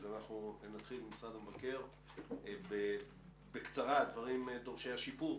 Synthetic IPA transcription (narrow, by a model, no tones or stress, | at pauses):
veanaχnunat̪χilmisʁad̪amvake̞ʁ | be | bekt͡saʁad̪vaʁimd̪o̞ʁʃejaʃipuʁ